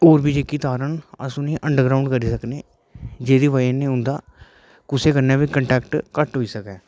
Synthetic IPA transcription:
oːɾbiːd͡ʒeːkiːt̪aːɾənə̰sũːnĩːʔəɳɖəɾɡɾaːʊ̃ɳɖkəɾiːsəkneː | d͡ʒeːd̪iːʋaːnːẽːʊnd̪aː | kʊseːkəɾneːʋiːkəɳʈɛːkʈkəʈɦoːiːsəkɛː

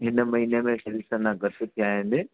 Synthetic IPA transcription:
ɦɪnə̆mɐɦiːnemẽsɐɾisənãɡʱɐt̪ɪ̆t̪ʰijaːɦɪ̃nd̪ɪ

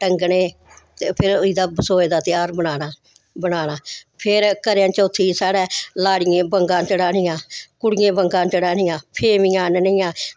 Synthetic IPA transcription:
ʈəŋɡɳeː | t̪eːpʰɪɾiːd̪aːbsoːeːd̪aːt̪ɪjaːɾbənaːnaː | bənaːnaːpʰɪɾkəɾjãːt͡ʃoːt̪ʰiːsaːɽɛːlaːɽɪjẽːbəŋɡãːt͡ʃəɽaːnɪjãːkʊɽɪjẽːbəŋɡãːnt͡ʃəɽaːnɪjãːpʰeːmɪjãːnnɪjãː

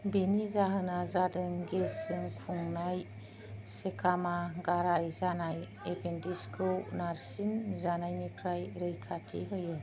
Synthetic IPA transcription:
benizaɦɯnazadɯŋɡesɯŋkʰuŋnaj | sekʰamaɡaɾajzanaj | epʰendiskʰɯwnaɾsinzanajnipʰɾajɾɯjkʰatʰḭɦɯjɯ

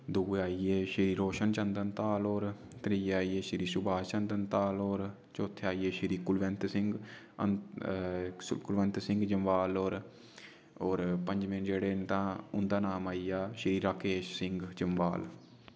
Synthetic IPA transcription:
d̪uːeaːieːʃɪɾiːɾoːʃənt͡ʃənd̪ənt̪aːloːɾ | t̪əɾiːaːiːeːʃɾiːsʊbʱaːt͡ʃənd̪ənt̪aːloːɾ | t͡ʃoːt̪ʰːeaːiːeːʃɪɾiːkʊlʋɛnt̪sɪ̃ŋɡ | ə̰n | kʊlʋɛ̃nt̪sɪ̃ŋɡd͡ʒəmʋaːloːɾ | oːɾpə̃ɲd͡ʒmɪnd͡ʒeːɽeːnt̪ãːʊnd̪aːnaːmaːiːaːʃɾiːɾaːkeːʃsɪŋɡd͡ʒəmʋaːl

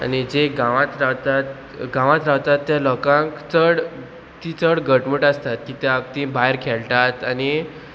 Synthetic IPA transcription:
a̰nid͡zeɡãʋãt̪ɾaʋt̪at̪ | ɡãʋãt̪ɾaʋt̪at̪ːjalɔkãŋkt͡səɽ | t̪it͡səɽɡəʈməʈast̪at̪̚kit̪jaap̚t̪ĩbajɾkʰelʈ̪at̪añi

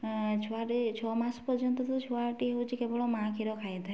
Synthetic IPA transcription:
t͡ʃʰoaʈit͡ʃʰɔmãspɔɾd͡ʒɔnt̪ɔt̪t͡ʃʰuaʈieɦut͡ʃʰikebɔɽɔmãkʰiɾɔkʰajd̪ʱa

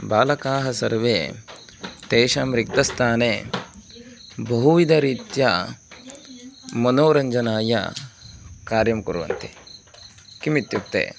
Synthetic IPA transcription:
baːlɐkaːɦɐsɐɾʋeː | t̪eːʃaːmɾikt̪ɐst̪ʰaːneː | bɐɦuʋid̪ɐɾiːt̪jɐ | mɐnoːɾɐɲd͡ʒɐnaːjɐ̰ | kaːɾjɐmkuɾʋɐ̰nt̪i̥ | kimit̪jup̚t̪ḛː

